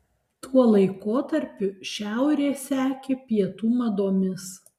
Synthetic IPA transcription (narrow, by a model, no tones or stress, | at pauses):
t̪uɔlˠɐɪkoːt̪ɐɾʲpʲʊʃʲæˑʊɾʲeːsʲæːkʲeːpʲiɛt̪uːmɐd̪oːmʲɪs